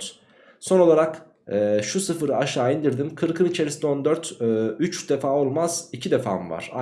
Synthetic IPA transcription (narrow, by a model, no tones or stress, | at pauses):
so̞no̞lˠaɾakː | ʃusɯfɯɾɯaʃaːind̪iɾd̪imkʰɯɾkʰɯnit͡ʃʰe̞ɾisid̪ɛo̞nd̪øɾt̪ːyt͡ʃd̪efaːo̞lˠmaz̥icʰid̪efa̰ːmva̰ɾ̥a